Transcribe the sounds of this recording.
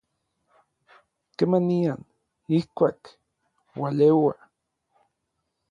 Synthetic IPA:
kemanian | ihkʷaːk | walewa

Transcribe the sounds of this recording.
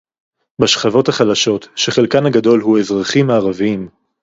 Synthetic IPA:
baʃχavo̞thaχalaʃo̞tʃeχelkanaɡado̞lhue̞zʁaχimaːʁaviim

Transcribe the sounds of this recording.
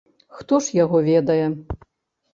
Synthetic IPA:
xt̪ɔʂjaɣɔvʲɛd̪ɐjɛ

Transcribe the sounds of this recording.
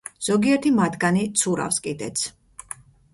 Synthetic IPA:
z̥ɔɡiɛɾt̪ʰimat̪ɡanit̪sʰuɾa̰fskʼid̪ɛ̰t̪sʰ

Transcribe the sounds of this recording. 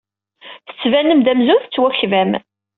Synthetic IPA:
θə̥t͡sːvænːəmd̪æmzuθt͡sːwæçvæm

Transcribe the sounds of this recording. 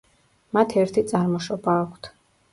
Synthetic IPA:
mat̪ʰɛɾt̪ʰit̪sʼaɾmɔʃɔbaːkʷʰt̪ʰ

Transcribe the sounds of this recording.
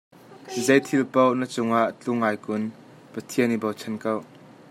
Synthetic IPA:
zejt̪ʰilpownɐt͡sʊŋaʔt͡ɬʊŋːaːjkʊn | pɐt̪ʰiənibowt͡sʰɛnkɐw

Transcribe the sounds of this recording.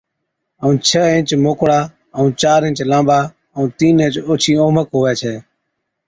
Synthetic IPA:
əũːt͡ʃʰəẽnt͡ʃmoːkɽaː | əũːt͡ʃaːɾɪ̃nt͡ʃlãːɓaː | əũːt̪iːnẽːt͡ʃoːt͡ʃʰiːoːməkɦoːʋɛːt͡ʃʰeː

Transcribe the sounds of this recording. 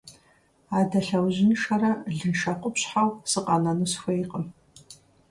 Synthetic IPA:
aːdɐɬɐwʑɪnʃɐɾɐɮɨnʃɐqʷʼʊpɕħawsɨqʼɑnɐnɨsxʷejqʼəm

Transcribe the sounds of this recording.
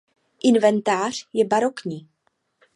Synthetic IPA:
ʔɪnvɛnt̪aːr̝̥jɛbaɾo̞kɲiː

